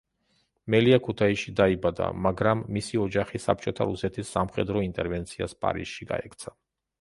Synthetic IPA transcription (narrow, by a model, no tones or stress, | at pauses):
mɛliakʰut̪ʰaiʃid̪aibad̪a̰maɡɾamːisiɔd͡ʒaχisa̰p̚ʰt͡ʃʼɔt̪ʰaɾusɛt̪ʰisːamχɛd̪ɾɔint̪ʼɛɾvɛnt̪sʰia̰spʼa̰ɾḭsʃiɡa̰ɛkʰt̪sʰa